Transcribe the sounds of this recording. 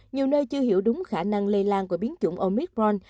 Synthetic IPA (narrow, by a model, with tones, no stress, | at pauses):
ɲi˨˩əwnəː˧jt͡ɕɨ˧əhi˧˩əwɗʊ˨˦ŋ͡mxaː˧˩na˧ŋle˧laː˧nku˧˩əɓi˨˦ənt͡ɕʊ˧˩ŋ͡mʔo˧mi˦˥k̚bɔ˧n